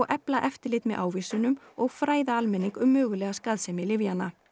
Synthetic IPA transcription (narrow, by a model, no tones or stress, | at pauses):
ɣʔɛplaʔɛft̪ɪɾlɪt̪mɛðʔa̰ːwvisʏnʏmɔɣfɾaːjðaalmɛnːiŋkʏmːœːɣʏlɛːɣaskaðsɛmɪlɪvjanːa